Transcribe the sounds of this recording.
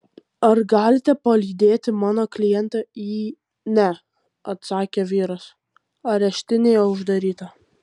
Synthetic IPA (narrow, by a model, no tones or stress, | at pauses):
ɐɾɡɑːlʲɪt̪ʲɛpɐlʲiːd̪ʲeːt̪ʲɪmɑːnoːklʲɪjɛnt̪ɑiː | nʲɛ | ɐt̪sɑːkʲeʋʲiːɾɐs | ɐɾʲɛʃʲt̪ʲɪnʲeːjɛʊʒd̪ɐɾʲiːt̪ɐ